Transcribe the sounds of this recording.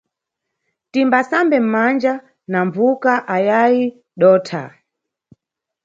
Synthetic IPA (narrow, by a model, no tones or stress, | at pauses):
timbasambɛm̩mand͡ʒa | naɱvukaʔajaji | ɗɔːtʰa̰